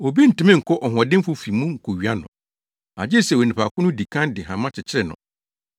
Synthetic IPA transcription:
o˨bi˦n̩˨tɪ˨˦mɪ̃˦ŋ̩˨kʰɔ˦ʔɔ˨ɦɔ̃˨dɪ̃˦m˦fʊ˦fi˨mũ˦ŋ̩˨kʰo˨ɥi˨a˦nʊ̰̃˨ | a̰˨d͡ʑɪ˦˨sɛ˨wo˨nɪ̃˨pʰa˨kʊ̃˦nʊ̃˦di˨kʰã˦ndɪ˨ɦã˨mã˦t͡ɕʰɪ˨t͡ɕʰɪ˦ɾɛ˨nʊ̰̃˨

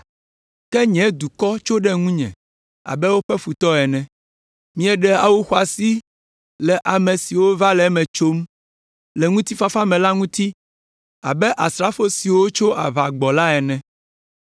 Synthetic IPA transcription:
kɛ˦ɲɛ̃˨˦d̪u˨kɔ˦t͡ʃo˦ɖɛ˦ŋũ˦ɲɛ̰̃˨ | a̰˨bɛ˦wo˦ɸɛ˦fu˨t̪ɔ˦ɛ˨nɛ̃˨ | mĩ˦ɛ˨ɖɛ˦a˨wo˦xa˨si˦ | lɛ˨ʔa˨mẽ˨si˨wo˦va˦lɛ˨˦mɛ̃˨t͡ʃo˦m | lɛ˨ŋũ˦t̪i˦fa˨fa˦mɛ̃˨la˦ŋũ˦t̪i˦ | a̰˨bɛ˦ʔa˨stɾa˦fo˦si˨wo˦t͡ʃo˦ʔa˨βa˨ɡ͡bɔ˨la˦ɛ˨nɛ̃˨

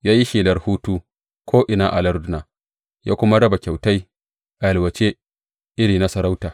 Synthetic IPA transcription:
jaː˦ji˦ʃiː˨lɐ˨˦rhuː˦tuː˦ | kʷʰoː˦ʔɪ˨na˦ʔa˨lɐ˦ɾdʊ˦naː˨ | ja̰ː˦kʷʊ˦ma˦ɽɐ˦ba˨kʲa˨wta˦j | ʔa˨ɐ˨lwɐ˨t͡ʃe˦ | ʔɪ˦ɽiː˨na˦sɐ˨ɾa˦wtaː˨

